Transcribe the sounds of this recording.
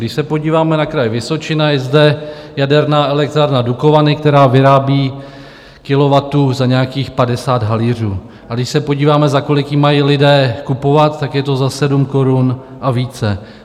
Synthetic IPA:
dɪʃsɛpo̞ɟiːvaːmɛnakɾajvɪso̞t͡ʃɪnajɛzdɛjadɛɾnaːʔɛlɛk̚t̪ɾaːɾnaduko̞vanɪk̚t̪ɛɾaːvɪɾaːbiː | kɪlo̞vat̪uːzaɲɛakiːxpadɛsaːd̪ɦaliːr̝uː | ʔaɡdɪʃsɛpo̞ɟiːvaːmɛzako̞lɪkjimajiːlɪdɛːkupo̞vat̪t̪ːakjɛt̪o̞zasɛdumko̞ɾun | ʔaviːt͡sɛ

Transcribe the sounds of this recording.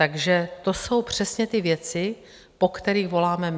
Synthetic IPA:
t̪aɡʒɛt̪o̞so̞wpr̝̥ɛsɲɛt̪ɪvjɛt͡sɪ | po̞kt̪ɛɾiːɣvo̞laːmɛm

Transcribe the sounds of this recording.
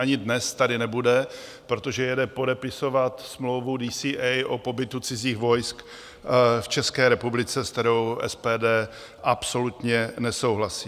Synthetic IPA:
aɲɪdnɛst̪adɪnɛbudɛ | pɾo̞t̪o̞ʒɛjɛdɛpo̞dɛpɪso̞vat̪smlo̞wvudiːsiːʔɛjʔo̞po̞bɪt̪ut͡sɪziːxvo̞jsk | ft͡ʃɛskɛːɾɛpublɪt͡sɛskt̪ɛɾo̞wʔɛ̰spɛːdɛː | ʔapso̞lut̪ɲɛnɛso̞wɦlasiː

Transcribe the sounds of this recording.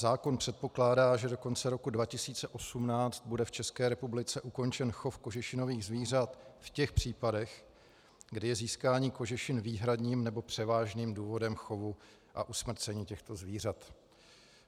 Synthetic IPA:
zaːko̞npr̝̥ɛt̪̚po̞klaːdaːʒɛdo̞ko̞nt͡sɛɾo̞kudvacɪsiːt͡sɛʔo̞sumnaːt͡st̪̚budɛft͡ʃɛskɛːɾɛpublɪt͡sɛʔuko̞nt͡ʃɛnxo̞fko̞ʒɪʃɪno̞viːɣzviːr̝at̪fcɛxpr̝̥iːpadɛx | ɡdɪjɛziːskaːɲiːko̞ʒɪʃɪnviːɦɾadɲiːmnɛbo̞pr̝̥ɛvaːʒniːmduːvo̞dɛmxo̞vu | ʔa̰ʔusmr̩t͡sɛɲiːcɛxt̪o̞zviːr̝at̪

